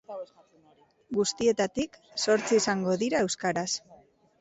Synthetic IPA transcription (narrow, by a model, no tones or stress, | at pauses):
ɡust̪ie̞t̪at̪ikso̞ɾt͡siisaŋɡo̞ðiɾae̞wskaɾas